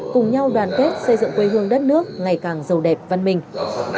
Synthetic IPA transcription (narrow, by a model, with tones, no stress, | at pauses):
kʊ˨˩ŋ͡mɲa˧wɗwaː˨˩nke˦˥t̚sə˧jzɨ̰˧˨ŋkwe˧ɦɨ˧əŋɗə˦˥t̚nɨ˦˥ək̚ŋa˨˩jkaː˨˩ŋzə˨˩wɗɛ˨˩p̚va˧nmï˨˩ŋ̟